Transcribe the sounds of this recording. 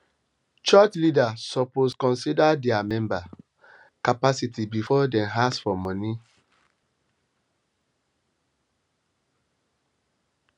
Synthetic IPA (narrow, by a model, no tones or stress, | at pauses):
t͡ʃɔt͡ʃlidasɔposkɔ̃nsidadɛamɛ̃mba | kapasitʰibifɔdɛ̃nɦasfɔmɔ̃ni